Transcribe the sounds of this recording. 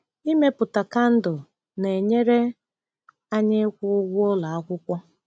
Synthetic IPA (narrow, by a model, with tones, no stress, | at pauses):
i˦me˦pʊ˨ta˨ka˦n̩˦dʊ˨ | ne˨ɲe˦ɾe˦ | a˦ɲɪ˦kʷʊ˦ɡʷʊ˦la˨a˦kʷʊ˦kʷɔ˦